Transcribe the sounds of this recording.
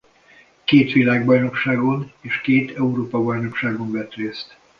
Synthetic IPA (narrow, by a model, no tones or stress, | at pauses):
keːt̪ʋilaːɡ̚bɒjno̞kʃaːɡo̞neːʃkeːt̪ɛuɾoːpɒbɒjno̞kʃaːɡo̞ɱvɛt̪reːst̪